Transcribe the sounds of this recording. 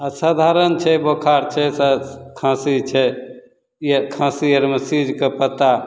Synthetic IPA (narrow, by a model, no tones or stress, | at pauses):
asad̪ʱaɾənt͡ʃʰɛbokʰaɾt͡ʃʰɛsakʰãsit͡ʃʰɛ | ekʰãsijəɾməsid͡ʒkepət̪a